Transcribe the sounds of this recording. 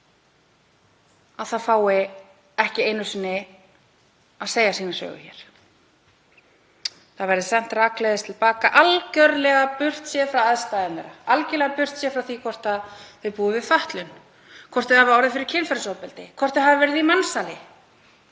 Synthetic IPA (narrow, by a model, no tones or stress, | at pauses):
aðθaðfaːwɪ | ɛhcɪejnʏsɪnːɪ | aðseːjasiːnasœ̰ːɣʏ̰çɛ̰ɾ̥ | θaðvɛɾðɪsɛm̥t̪raːklɛjðɪst̪ʰɪlpaːkaʔalcœɾlɛɣapʏr̥t̪sjɛːfɾawaðst̪aːjðɪnɛ̰ɾaalcɛlɛɣapʏr̥t̪sjɛːfɾawθikʰvɔr̥t̪aðθɪðpuːðɪvɪfaht̪lʏn | kʰɔr̥t̪ɪhavɪaːwɾðɪfɪɾɪɾ̥cʰɪnfɛɾsowpɛlt̪ɪkʰvɔr̥t̪ɪɦaðɪvɛɾɪðimansalɪ